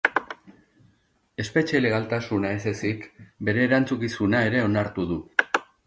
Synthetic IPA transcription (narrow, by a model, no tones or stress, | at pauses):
e̞spe̞t͡ʃeleɣalt̪asunaese̞sikbe̞ɾe̞ːɾant͡sukisunae̞ɾe̞o̞naɾt̪uðu